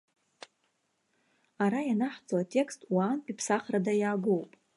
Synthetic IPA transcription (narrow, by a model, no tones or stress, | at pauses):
aɾajanaħd͡zoatʼe̞kstʼwaːnpʼipʰsaχradajaːɡowpʼ